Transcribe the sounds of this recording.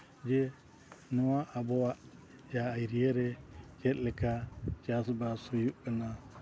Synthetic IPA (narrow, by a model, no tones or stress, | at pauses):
d͡ʒɛ | nɔaʔabɔaʔ | jaːjɾiɛɾɛd͡ʒɛt̪̚lɛkat͡ʃasbasɔjuʔkəna